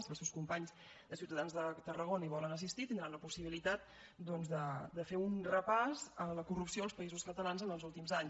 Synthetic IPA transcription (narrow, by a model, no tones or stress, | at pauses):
səlˠsewskumpaɲz | d̪əsiwt̪əðanzðət̪ərəɣonəiβɔlənəs̬ist̪it̪ind̪ɾanləpusiβilit̪at̪̚ | d̪ɔnzðəd̪əfeunrəpazələkurupsioəlˠspəizuskət̪əlanzənəlˠzulˠt̪imzaɲ